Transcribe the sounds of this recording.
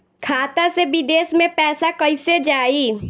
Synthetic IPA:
kʰaːt̪asebɪd̪eːsmẽpɛːsakəised͡ʒaːi

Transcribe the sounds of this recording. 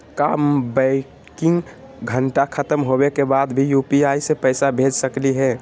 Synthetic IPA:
kambɛɪ | kɪ̃ŋɡ | ɡʱəɳʈakʰət̪əmɦobekebad̪bʱijupiaisepəɪsabʱed͡ʒsəkliɦɛ

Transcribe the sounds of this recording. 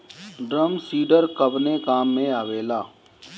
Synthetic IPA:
ɖɾəmsiːɖəɾkəbnekaːmːẽaːʋeːlaː

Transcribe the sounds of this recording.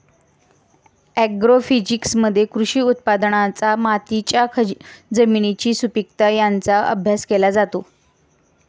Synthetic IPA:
æɡɾofid͡ʑiksməd̪ʱːjekɾuɕiːut̪̚pad̪ɳat͡samat̪it͡ɕjakʰəd͡zəminit͡ɕiːsupik̚t̪ajant͡saʔə̰bʱjaskelad͡zat̪o

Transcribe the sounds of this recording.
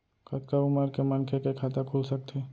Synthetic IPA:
kɐt̪kaʊməɾkemənkʰekekʰaːt̪akʰuːlsɐk̚t̪ʰe

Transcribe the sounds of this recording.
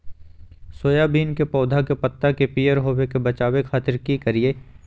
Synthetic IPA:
soːjabiːnkepɔːd̪ʱakepɐt̪ːakepijəɾɦoːwekebɐt͡ʃaːwekʰaːt̪ɪɾkikɐɾie

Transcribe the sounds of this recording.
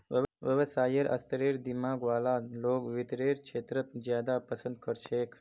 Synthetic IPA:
ʋəʋjəʋsaːjəɾʔə̰st̪əɾiɾd̪imaːɡʋaːlaloːɡʋɪt̪ɾeːɾkʃeːt̪ɾət̪zjaːd̪apəsə̃nd̪̚kəɾt͡ʃʰekʰ

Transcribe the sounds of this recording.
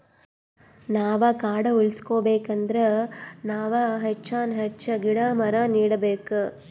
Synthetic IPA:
naːʋɐkaːɽɐuɭskoːbeːkɐnd̪ɐɾenaːʋɐɦet͡ʃːaːnɦet͡ʃːɐɡiɽaːmɐɾɐniːɽɐbeːku

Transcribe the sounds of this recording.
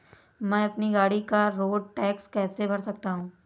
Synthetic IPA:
mɛ̃ːɐpniɡaːɽikaɾoːɖ̚ʈɛːkskɛːsebʱɐɾsɐk̚t̪aɦũː

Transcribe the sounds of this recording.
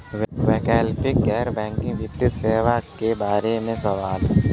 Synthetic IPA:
ʋʋɛːkɛːlpɪkːɛːɾbɛ̃ːŋkɪ̃ŋɡʋjɪt̪ːəseːʋakebaːɾemẽsɐʋaːl

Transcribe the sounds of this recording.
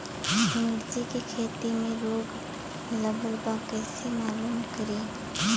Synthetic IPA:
ɦɪmɾd͡ʒikekʰeːt̪imẽɾoːɡ | ləbəɾbakɛːsemaːluːnkəɾeː

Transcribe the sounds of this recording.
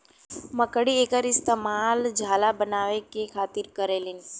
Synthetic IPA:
məkəɽieːkəɾɪst̪eːmaːld͡ʒʱaːlabənaːʋekekʰaːt̪ɪɾkəɾelɪn

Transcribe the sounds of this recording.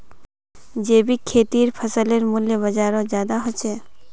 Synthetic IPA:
d͡ʒeːbʱikʰeːʈ̪iɾpʰəsəleɾmuljebəd͡ʒaɾɔ̃d͡ʒjaːd̪aɦɔt͡ʃʰe

